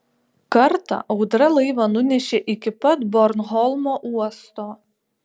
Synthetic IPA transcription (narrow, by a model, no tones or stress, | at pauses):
kɐɾt̪ɑ̰ʔɒʊd̪ɾɐlˠɐɪʋɐnʊnʲɛʃʲeʔɪkʲɪpɐt̪bɔɾnɦɔlˠmoːʔuɔst̪oː